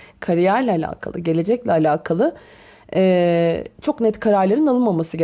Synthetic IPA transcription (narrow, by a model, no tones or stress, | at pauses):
kʰaɾijæɾlʲɛːlʲa̰ːkʰa̰lˠɯ̰ɟe̞lʲe̞d͡ʒɛclʲɛalʲaːkʰalˠɯ | ɛt͡ʃʰo̞knɛt̪kʰaɾaɾlˠaɾinalˠɯnmamasɯɟe